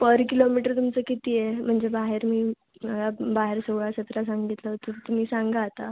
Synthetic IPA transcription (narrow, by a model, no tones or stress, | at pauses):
pəɾkilomiʈəɾt̪umt͡səkit̪ijem̤əɳd͡zebaɦeɾmiː | məɡabaɦeɾsəɡɭasət̪ɾasãŋɡit̪ləɦot̪ət̪um̤iːsãŋɡaːt̪a